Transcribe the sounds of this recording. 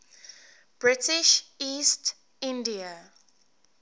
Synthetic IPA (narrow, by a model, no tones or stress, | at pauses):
b̥ɹɪtɪʃiːst | ɪ̃ndiə